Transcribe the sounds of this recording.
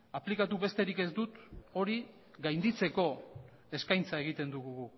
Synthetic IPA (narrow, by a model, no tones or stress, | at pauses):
aplikat̪uβe̞st̪e̞ɾike̞zd̪ut̪o̞ɾi | ɣajnd̪it͡se̞ko̞ | e̞skajnt͡sae̞ɣ̞it̪e̞nd̪uɣuɣu